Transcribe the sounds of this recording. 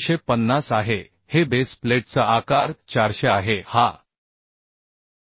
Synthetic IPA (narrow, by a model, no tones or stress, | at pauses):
ɕepənːasaɦe | hebespleʈ̚t͡səʔakaɾt͡ɕaɾɕeaɦeha